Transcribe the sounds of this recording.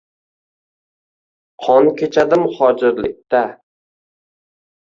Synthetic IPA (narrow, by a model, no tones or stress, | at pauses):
qʰɒnkʲʰet͡ʃʰad̪ɪmhɒd͡ʒɪɾlɪ̰k̚ʲt̪a